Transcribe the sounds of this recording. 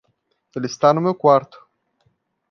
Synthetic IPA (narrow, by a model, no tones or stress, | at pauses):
t̪elʲist̪anumewkwart̪